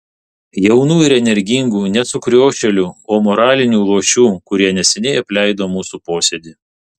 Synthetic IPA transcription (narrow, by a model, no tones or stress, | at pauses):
jɛʊnuːɪɾɛnʲɛɾʲɡʲɪŋɡuːnʲɛt̪sʊkɾʲoːʃʲɛlʲuːoːmɔɾɑːlʲɪnʲuːlˠuːʃʲuːkʊɾʲiɛnʲɛsʲɛnʲɛɪɐpʲlʲæˑɪd̪oːmuːsuːpoːsʲɛd̪ʲiː